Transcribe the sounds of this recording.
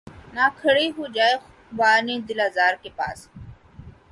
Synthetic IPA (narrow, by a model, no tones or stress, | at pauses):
naːkʰəɽiɦuːd͡ʒaːe | ʋaːneːd̪ɪlaːzaːɾkepa̰ːs